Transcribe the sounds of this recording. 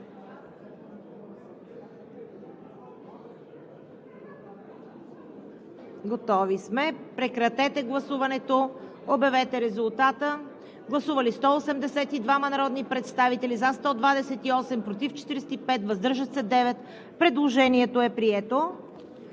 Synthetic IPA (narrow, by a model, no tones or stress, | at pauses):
ɡot̪ɔvismɛpɾɛkɾɐt̪ɛt̪ɛɡlˠɐsuvɐnɛt̪o | objɐvɛt̪ɛɾɛzulˠt̪at̪ə | ɡlˠɐsuvɐlist̪ɔosɛmd̪ɛsɛt̪id̪vamɐnɐɾɔd̪nipɾɛt̪st̪avit̪ɛlizast̪ɔd̪vad̪ɛsɛt̪iɔsɛmpɾot̪ift͡ʃɛ̥t̪iɾɛsɛt̪ipɛt̪vɐzd̪ɤɾʒət̪sɛd̪ɛvɛt̪ | pɾɛd̪lˠoʒɛniɛt̪oɛpɾiɛt̪o